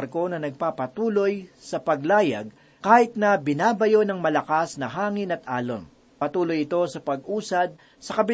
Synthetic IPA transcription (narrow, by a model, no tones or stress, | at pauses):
ɾko̞nɐnɐɡ̚papɐt̪uːlo̞jsɐpɐɡlaːjɐ̰ɡ̚ | kaːhɪt̪̚nɐbɪnaːbɐjo̞nɐŋmɐlɐkasnɐɦaːŋɪnɐt̪̚ʔaːlo̰n | ɐt̪uːlo̞jɪt̪o̞sɐpɐɡ̚ʔuːsɐd̪̚ | sɐkɐbɪ